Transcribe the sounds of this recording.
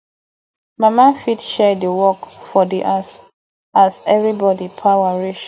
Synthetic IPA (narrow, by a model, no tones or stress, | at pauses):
mamafitʃɛdəwɔkfɔdiʔas | azɛvɹibɔdipʰawaɹiʃ